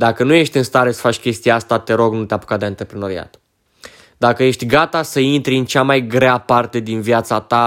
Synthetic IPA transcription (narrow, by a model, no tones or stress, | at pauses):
d̪akənuje̞ʃt̪ʲɨnst̪aɾe̞sə̥fat͡ʃʲkʲe̞st̪ieast̪at̪e̞ɾo̞ɡnut̪eapu̥kad̪eant̪ɾe̞pɾeno̞ɾia̰t̪ | d̪akəje̞ʃt̪ʲɡat̪asəint̪ɾiɨnt͡ʃamajɡɾeapart̪e̞d̪invjat̪sat̪a